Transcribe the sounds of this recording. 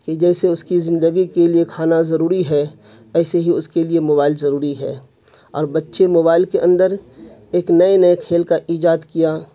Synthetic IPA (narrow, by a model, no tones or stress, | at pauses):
ked͡ʒɛːseʊskizɪ̃nd̪əɡikeliekʰaːnazɐɾuːɾiɦɛ | ɛːseɦiʊskeliemoːbaːɪlzɐɾuːɾiɦɛ̰ː | ɔ̰ːɾbɐtːʃemoːβaːɪlkeʔə̃nd̪əɾeːknɐenɐjekʰeːlkaʔiːd͡ʒaːd̪kijaː